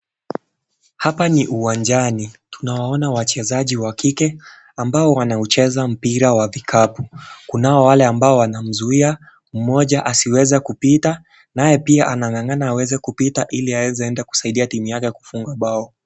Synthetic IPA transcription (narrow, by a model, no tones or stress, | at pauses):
hapaniʔuwand͡ʒanitunawaɔnawat͡ʃɛzaʄiwakikɛ | ambaɔwanaut͡ʃɛzam̩piɾawavikʰapukunaɔwalɛambaɔwanam̩zuia | m̩mɔʄaʔasiwɛzɛkupita | najɛpiaʔanaŋaŋanaːwɛzɛkupitaʔiliawɛzɛɛndɛku̥saiɗiatimujakɛku̥fuŋɡaɓaɔ